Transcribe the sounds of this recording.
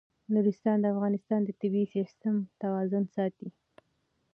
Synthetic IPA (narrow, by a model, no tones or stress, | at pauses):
nuɾɪst̪ɑnd̪əafɣɑnɪst̪ɑnd̪ət̪ɪbisist̪əmt̪awɑzʊnsɑt̪i